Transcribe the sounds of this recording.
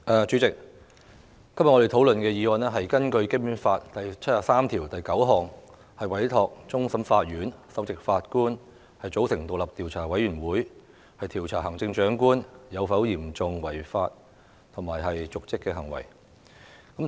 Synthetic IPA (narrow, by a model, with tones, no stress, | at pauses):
ʔɛː˨˩t͡ʃyː˨˥t͡sɪ˨k̚ | ɐ˥mjɐ˨ŋɔ˧e˨jt̪ʰo˨˥wlɵ˨nkɛː˧jiː˨˧wɔː˧nɛː˥ɦɐ˨jkɐ˥nkɵ˧ɥkɪ˥y˥faː˧t̚t̪ɐ˨jt͡ɕʰt̚jaː˨˩saː˥mt̪ʰiː˨˩wt̪ɐ˨jkɐ˨˥wɦɔː˨ŋ | hɐ˨jwɐ˨˥jt̪ʰɔː˧k̚t͡sʊ˥ŋsɐ˨˥mfaː˧t̚jyː˨˥nsɐ˨˥wt͡sɪ˨k̚faː˧t̚kuː˥n | hɐ˨jt͡so˨˥wsɪ˨˩ŋt̪o˨wlɐ˨p̚t̪iː˨wt͡sʰaː˨˩wɐ˨˥jɥyː˨˩nwuː˨˥j | hɐ˨jt̪ʰiː˨˩wt͡sʰaː˨˩ɦɐ˨˩ŋt͡sɪ˧ŋt͡ʃœː˨˥ŋkuː˥njɐ˨˧wfɐ˨˥wjiː˨˩mt͡sʊ˨˧ŋwɐ˨˩jfaː˧t̚ | t̪ʰʊ˨˩ŋmaː˨˩jɦɐ˨jt͡sʊ˨k̚t͡sɪ˥kːɛː˧ɦɐ˨˩ŋwɐ̰˨˩j | kɐ˨˥